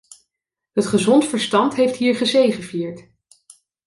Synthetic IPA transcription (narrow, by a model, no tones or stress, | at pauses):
ɦətχəzɔntfəɹstɑntɦejftɦiːɹχəzejχəviːɹt